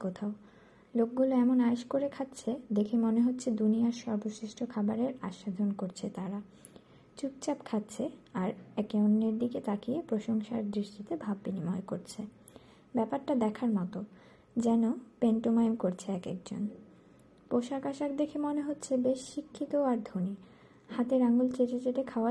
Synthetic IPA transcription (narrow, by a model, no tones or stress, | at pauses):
kot̪ʰao | lok̚ɡuloɛmonaeʃkoɾekʰat̪ːɕʰed̪ekʰemoneɦotːɕʰed̪unijaɾʃɔɾboʃiʃʈʰokʰabaɾeɾa̰ʃad̪ʱonkoɾt͡ɕʰet̪aɾa | t͡ɕuk̚t͡ɕapkʰat̪ːt͡ɕʰeaɾɛkeonːeɾd̪iket̪ʰakiepɾoʃoŋʃaɾd̪ɾiʃʈʰit̪ebʱabːinimɔekoɾt͡ɕʰe | bɛpaɾʈad̪ɛkʰaɾmɔt̪o | d͡ʑɛnopeɳʈomaemkoɾt͡ɕʰeɛkḛk̚d͡ʑo̰n | poʃakaʃakd̪ekʰemoneɦotːɕʰebeʃːikʰːit̪oaɾd̪ʱoni | hat̪eɾaŋɡult͡ɕet͡ɕet͡ɕeʈekʰaoa